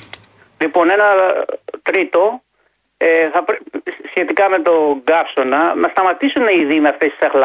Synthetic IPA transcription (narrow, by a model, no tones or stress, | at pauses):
lipo̞ne̞nɐ | t̪ɾit̪o̞ | eθɐpɾsçe̞t̪ikɐme̞t̪o̞ɡɐpso̞nɐnɐst̪ɐmɐt̪isuneiðimeɐft̪esi̥sɐxlɐ